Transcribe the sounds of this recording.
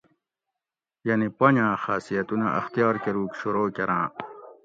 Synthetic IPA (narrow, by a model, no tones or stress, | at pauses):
jɐnipɐɲãːxaːsijɐt̪unɐʔɐ̰xt̪ijɑːɾkeɾuːkɕuɾoːkeɾãː